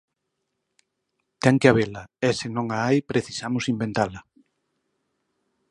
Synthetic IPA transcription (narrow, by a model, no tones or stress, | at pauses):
t̪ɛŋkeaβelaɛsenõŋaajpɾeθi̥samʊsimbent̪alɐ